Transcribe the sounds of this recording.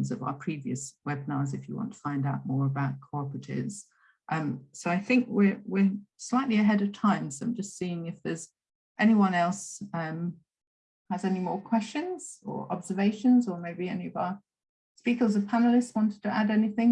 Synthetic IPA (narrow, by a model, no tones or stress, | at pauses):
nzə̰va̰ʊəpʰɹ̥iviɨswɛbɪnəzɨfjə̰wɑ̰̃ntʰə̥fãɪ̃ndaʊʔ̚mɔːɹəbaʊt̚kʰɔɹpɹətʰɪ̰z̥ | ʔʌ̃msoʊaɪθɪ̃ŋkwɪɹwɪɹslaɪʔliɨɦɛɾəv̥tʰãɪ̃msəʊd͡ʒʌstsiːɪ̃ŋɪfðəz | ʔɛñiwʌ̃nɛlˠsʌ̃m | həzɛnimɔːɹkʰw̥ɛst͡ʃə̃nz̥ə̰ɹɒ̰bz̥əveɪʃə̃nzəmeɪbiɛniəvaʊə | spiˑkəzəv̥pʰænl̩ˠɪstswɒ̃ntɪd̚tʰəʔadɛniθɪ̃ŋ